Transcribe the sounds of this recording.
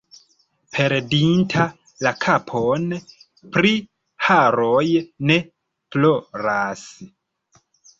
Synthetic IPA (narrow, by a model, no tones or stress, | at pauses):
pʰe̞ɾdintʰa | lakʰapʰon | pɾi | haɾojne̞ | ploɾas